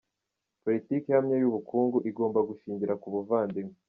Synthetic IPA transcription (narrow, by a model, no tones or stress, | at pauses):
po̞litiːkejamɲejuβukʰuːŋɡuʔiɡo̞ːmbaɡuʃiːɲɟiɾakuβuvaːndim